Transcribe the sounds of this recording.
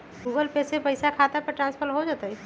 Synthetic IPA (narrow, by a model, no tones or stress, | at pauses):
ɡuɡəlpesepəɪsakʰat̪apəʈɾãnspʰəɾɦod͡ʒat̪əj